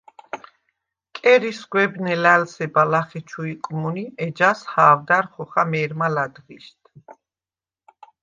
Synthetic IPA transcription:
kʼɛɾisɡwɛbnɛlælsɛbalaχɛt͡ʃʰuikʼmuniɛd͡ʒashaːvd̪aɾχɔχamɛːɾmalad̪ʁiʃt̪ʰ

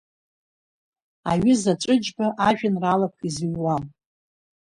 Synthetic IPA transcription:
a̰ɥɪzat͡ʃʷʼɨd͡ʒbaʔaʒᶣanralap̚ʷʰiziɥwam

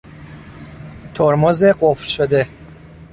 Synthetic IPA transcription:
t̪ʰoɾmozeɢoflʃod̪e̞

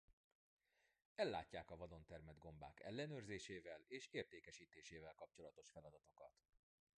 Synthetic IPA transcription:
ɛlːa̰ːcːaːkɒvɒd̪o̞nt̪ɛrmɛd̪ɡo̞mba̰ːkɛ̰lːɛnøːrzeːʃeːvɛleːʃeːrt̪eːkɛʃiːt̪eːʃeːvɛlkɒp̚t͡ʃo̞lɒt̪o̞ʃfɛlɒd̪ɒt̪o̞kɒ̰t̪

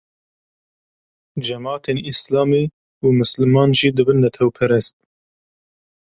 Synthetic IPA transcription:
d͡ʒɛmɑːt̪ʰeːnislɑːmiː | umɨslɨmɑːnʒiːd̪ɨbɨnːɛt̪ʰɛwpʰɛɾɛst̪̚

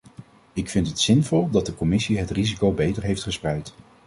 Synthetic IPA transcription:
ɪkfɪntətsɪnvɔlˠdɑd̚dəkɔmɪsiɦətrizikowbejtəɹɦejftχəsprɛjt

